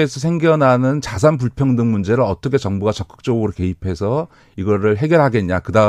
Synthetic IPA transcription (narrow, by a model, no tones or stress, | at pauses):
esʰʌs̬ʰe̞ŋɡjʌnɦanɯnt͡ɕasʰanp̬uɭpʰjʌŋdɯŋmund͡ʑe̞ɾɯɭʌt͈ʌkʰe̞t͡ɕʌŋbuɡat͡ɕʌk͈ɯ̥k̚t͡ɕ͈ʌɡɯɾoke̞ipʰe̞sʰʌ | iɡʌɾɯɭɦe̞ɡjʌɭɦaɡe̞nɲakɯda